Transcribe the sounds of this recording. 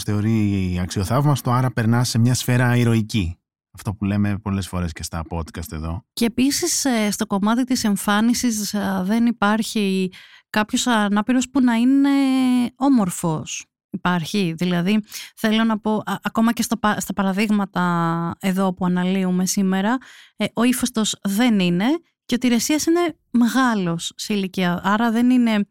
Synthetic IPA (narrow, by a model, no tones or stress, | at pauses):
sθe̞o̞ɾiɐksio̞θɐvmɐst̪uɐɾɐpe̞ɾnɐse̞mɲɐsfe̞ɾɐiɾo̞ici | ɐft̪o̞pule̞me̞po̞le̞sfo̞ɾe̞sce̞st̪ɐpo̞d̪kɐst̪e̞ðo̞ce̞ːpisisst̪o̞ko̞mɐt̪it̪ise̞ɱfɐnisisðe̞nipɐɾçikɐpço̞sɐnɐpiɾo̞spunɐine̞o̞mo̞ɾfo̞s | ipɐɾçiðilɐðiθe̞lo̞nɐpo̞ʔɐʔɐko̞mɐcest̪ɐpɐst̪ɐpɐɾɐðiɣmɐt̪ɐe̞ðo̞puɐnɐliume̞sime̞ɾɐʔo̞ifost̪o̞zðe̞nine̞ | ceot̪iɾe̞siɐsine̞ | me̞ɣɐlo̞sːeiliciɐʔɐɾɐðe̞nine̞